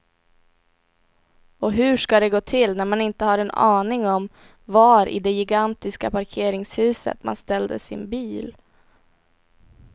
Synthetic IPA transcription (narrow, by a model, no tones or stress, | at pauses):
ɔɦɵʂkad̪ɛɡoːt̪ʰɪlnæɾmanɪnt̪əhaɾɛnɑ̰ːnɪŋɔm | vaɾʔɪ̰d̪ɛjɪɡant̪ɪskapʰaɾkʰeːɾɪŋshʉ̟ːsə̰t̪ma̰nst̪ɛld̪ə̰sɪ̰nbiːl